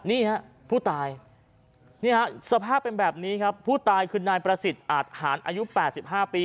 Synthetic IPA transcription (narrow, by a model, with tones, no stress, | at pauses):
niː˥˩ɦɛ˦˥ʔ | pʰuː˥˩t̪aː˧j | niː˥˩ɦɛ˦˥sa˧pʰaː˥˩pːe˧nbɛː˨˩p̚niː˦˥kʰa˦˥pʰːuː˥˩t̪aː˧jkʰɯː˧naː˧jpɾa˧si˨˩t̪̚ʔaː˨˩t̪̚haː˩˦nʔaː˧ju˦˥pɛː˨˩t̪̚si˨˩p̚hɦaː˥˩piː˧